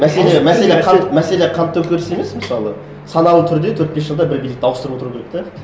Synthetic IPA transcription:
mæse̞lemæse̞leqʰɑmæse̞leqʰɑnt̪ːɵwkʲʰeɾɪse̞me̞sməsɑlˠə | sɑnɑlˠət̪ʰʏɾd̪e̞t̪ʰɵɾt̪be̞s̬ʒəlˠd̪ɑbɪɾbijlɪkt̪ɑwəst̪ɾəpwot̪ɾukʲʰeɾek̚t̪e

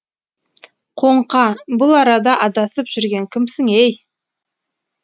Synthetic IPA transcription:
qʰo̞ɴqɑbʊlˠɑɾɑd̪ɑʔɑd̪ɑsəpʒ̥ʏɾɡʲe̞ŋkʲʰɪmsɪŋej

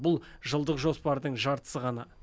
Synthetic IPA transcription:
bʊlˠʒəlˠd̪əqʒo̞spɑɾd̪əɴʒɑɾt̪ə̥səʁɑnɑ

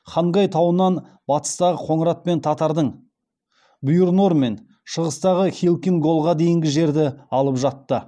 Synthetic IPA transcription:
χɑɴʁɑjt̪ʰɑwənɑn | bɑt̪ə̥st̪ɑʁəqʰo̞ɴəɾɑt̪̚pe̞nt̪ʰɑt̪ɑɾd̪əɴ | bʊjuɾno̞ɾme̞n | ʃəʁəst̪ɑʁəχʲilˠkʲiŋɡo̞lˠʁɑd̪e̞jɪŋɡʲɪʒe̞ɾd̪ɪɑlˠəpʒɑt̪ːə

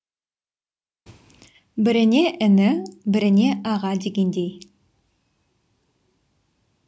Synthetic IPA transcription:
bɪɾɪneʔɪnɪbɪɾɪne̞ʔɑʁɑd̪eɡʲend̪ej

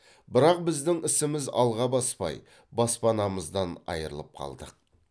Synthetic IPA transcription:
bɪɾɑq̚bɪzd̪ɪŋɪsɪmɪzɑ̰lˠʁɑbɑspɑ̰j | bɑspɑnɑməzd̪ɑnɑ̰jəɾə̰lˠəp̚qʰɑ̰lˠd̪əq̚

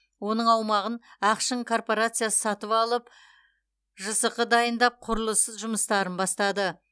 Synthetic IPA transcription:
wo̞nəɴɑwmɑʁənæqʃəŋkʰo̞rpo̞ɾat̪sɨjasə̥sɑt̪əpɑlˠəp | ʒəsəqəd̪ɑjənd̪ɑp̚qʰʊɾəlˠəsəzʒʊməst̪ɑɾənbɑst̪ɑd̪ə

